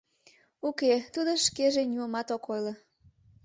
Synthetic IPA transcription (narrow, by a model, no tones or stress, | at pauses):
uket̪ud̪əʃkeʒenʲuəmɑt̪okojlə